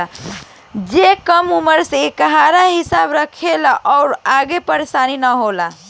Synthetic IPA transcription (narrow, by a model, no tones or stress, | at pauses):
d͡ʒekəmuməɾsekəɦaɾaɦisabɾəkʰelaʔɔʊɾaɡepəɾesaninəɦola